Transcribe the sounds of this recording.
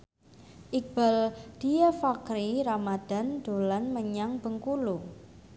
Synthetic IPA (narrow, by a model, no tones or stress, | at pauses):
ʔik̚b̥a̤ld̪̥iafakɾiɾamad̪̥a̤nd̪̥o̤lanməɲaŋb̥ə̤ŋkulu